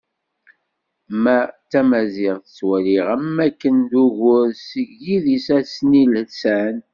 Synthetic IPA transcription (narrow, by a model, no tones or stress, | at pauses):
mæt͡sːæmæzɪʁθə̥t͡sːwæliʁæmːækːənd̪uʝʊɾsəʝiðisæsnilsæn